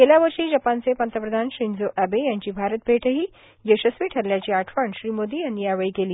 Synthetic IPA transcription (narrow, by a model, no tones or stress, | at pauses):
keljaʋəɾʂiːd͡ʑəpant͡sepənt̪ɾəpɾəd̪ʱanɕɾind͡zoʔæbejaɲt͡ɕiːbʱaɾət̪̚bʱeʈʰəɦiː | jəɕəsʋiːʈʰəɾljat͡ɕiːaʈʰʋəɳɕɾiːmod̪iːjanːiaʋəɭikeliː